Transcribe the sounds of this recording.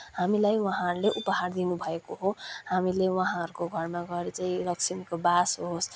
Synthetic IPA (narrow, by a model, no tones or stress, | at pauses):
hamilajwʌ̃ɦãʌɾuleʔupʌɦard̪inubʱʌekoɦoɦamilewʌɦãʌɾukoɡʱʌrmaɡʌɾet͡saĩlʌksimikobasɦos